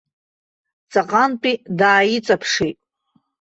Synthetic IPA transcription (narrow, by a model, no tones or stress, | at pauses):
t͡sʼaqʼantʼidaːjit͡sʼapʰʂejtʼ